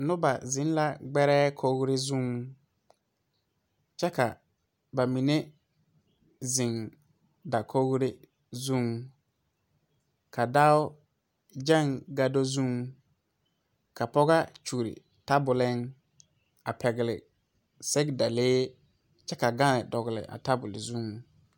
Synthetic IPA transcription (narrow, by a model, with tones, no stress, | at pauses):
nʊ˦ba˨zɪ̃˨˦n˦la˦ɡ͡bɛ˦ɾɛː˦kʰo˦ɡɾɪ˦zũ˦˨ŋ | t͡ʃɛ˦ka˨ | ba˨mi˨ne˦ | zɪ˨ŋ | da˨kʰo˦ɡɾɪ˦ | zũ˦ŋ | kʰa˨da˦wʊ˦ | d͡ʒa˦˨ŋɡa˦do˦zũ˦ŋ | ka˨pɔ˦ɣa˦t͡ʃu˨ɾɪ̰˨ | ta˦bʊ˨lɪ˦ŋ | a˨pɛ˨ɡɪ˨lɪ˨ | sɛ˦ɡda˨leː˦ | t͡ʃɛ˦ka˨ɡa˦nɪ˨dɔ˨ɣɪ˨lɪ̰˨ʔa̰˨ta˦bʊ˨lɪ˨zu˦˨ŋ